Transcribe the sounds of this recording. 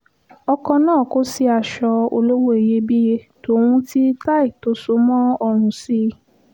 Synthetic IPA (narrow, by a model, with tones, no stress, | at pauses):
ɔ˧kɔ̃˧nãː˦˨ko˦si˧a˨ʃɔ˧o˧lo˦wo˦e˨je˧˦bi˦je˧ | to˨o˧wũ˧ti˦ta˦i˨to˨˦so˨˦mɔ̃˦ɔ˧ɾ̃ũ˨si˦